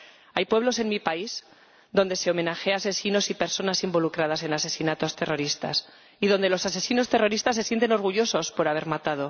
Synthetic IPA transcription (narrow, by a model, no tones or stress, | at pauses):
ajpwe̞β̞lo̞se̞nmipais | ðo̞nd̪e̞se̞o̞mẽ̞naxease̞sino̞sipe̞ɾso̞nasimbo̞lukɾað̞ase̞nase̞sinat̪o̞st̪e̞ro̞ɾist̪a̰s | iðo̞nd̪e̞lo̞sase̞sino̞st̪e̞ro̞ɾist̪asːesje̞nt̪̬e̞no̞ɾɣ̞uʝo̞so̞spo̞ɾaβ̞e̞ɾmat̪að̞o̞